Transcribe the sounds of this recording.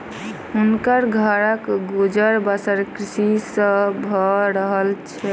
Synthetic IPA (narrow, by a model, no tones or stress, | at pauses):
unkəɾɡʱəɾəkɡod͡ʒəɾbəsəɾkɾisisə̃bʱɔɾəɦəlt͡ʃʰɛ